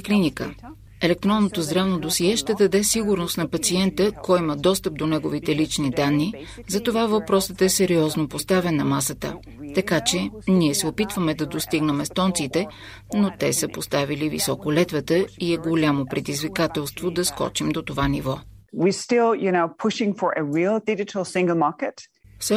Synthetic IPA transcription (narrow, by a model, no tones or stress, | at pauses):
klinikə | ɛlɛk̚t̪ɾɔnːot̪ozd̪ɾavnod̪osiɛʃt̪ɛd̪ɐd̪ɛsiɡuɾnost̪nɐpɐt̪siɛnt̪əkɔjiməd̪ɔst̪əp̚d̪onɛɡovit̪ɛlit͡ʃnid̪anːi | zɐt̪ovavɐpɾɔsət̪ɛsɛɾiɔznopost̪avɛnːɐmasət̪ə̰ | t̪ɐkat͡ʃɛniɛsɛopit̪vəmɛd̪ɐd̪ost̪iɡnɛmɛst̪ɔnt̪sit̪ɛ | not̪ɛsəpost̪avilivḭsɔkolɛt̪vət̪əiɛɡolʲamopɾɛd̪izvikat̪ɛlˠst̪vod̪ɐskɔ̰t͡ʃimd̪ot̪ovanivɔwistɪlˠjɨnoʊpʰʊʃɪ̃ŋfə˞ʔəɹilˠdɪd͡ʒɨɾl̩ˠsɪ̃ŋɡl̩ˠmɑɹkətfsɛ